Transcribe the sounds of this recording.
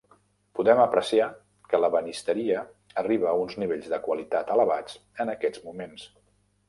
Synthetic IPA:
puðɛməpɾəsia | kələβənist̪əɾiəː | riβəːunzniβeʎzðəkwəlit̪at̪ələβad͡zənəkɛd͡zmumens

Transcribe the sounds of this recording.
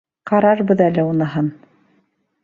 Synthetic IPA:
qɑɾɑɾbɤðælɘunɤ̆ɦɤn

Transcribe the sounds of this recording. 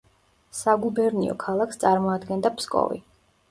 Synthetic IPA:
saɡubɛɾniɔ̰kʰalˠakʰst̪sʼaɾmɔad̪ɡɛnd̪apʰskʼɔ̰vḭ

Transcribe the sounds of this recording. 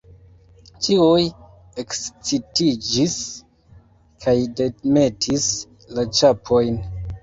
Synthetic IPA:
tiuj | ekst͡sitid͡ʒis | kʰajdeme̞tʰis | lat͡ʃapʰo̞jn

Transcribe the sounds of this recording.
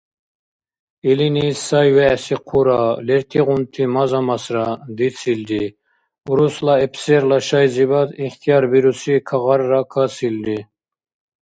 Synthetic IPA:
ilinisɑjvɛsiqʰuɾɑleɾt̪ʰiʁunt̪ʰimɑzɑmɑsɾɑd̪it͡sʰild̪i | uɾuslɑepʰseɾlɑʃɑjzibɑd̪iχt̪ʰijɑɾbiɾusikʰɑʁɑɾːɑkʰɑsild̪i

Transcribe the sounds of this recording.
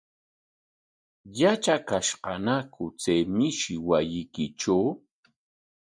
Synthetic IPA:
jat͡ʃakaʃqɑnakʊt͡sejmɪʃɪwajɪkɪt͡ʃaw

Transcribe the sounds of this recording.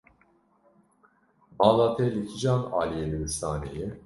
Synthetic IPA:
balˠat̪ʰɛlʲicʲʰid͡ʒana̰ːlʲijelʲibist̪aːnḛji

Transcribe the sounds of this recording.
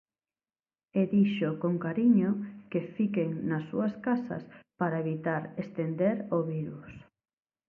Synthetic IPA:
eðiʃokoŋkaɾiɲokefikeŋnɐsːuɐskasɐ̰spaɾaeβit̪aɾest̪end̪eɾoβiɾus

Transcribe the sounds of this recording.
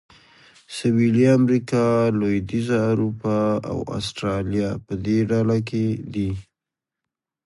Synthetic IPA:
sawiliamɾikɑlojd̪izaːɾupɑa̰wa̰sʈɾɑljapəd̪eɖalaked̪i

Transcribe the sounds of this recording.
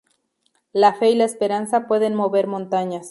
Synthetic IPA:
lafe̞ilaespe̞ɾansapwe̞ðe̞nmo̞βe̞ɾmõ̞nt̪aɲas

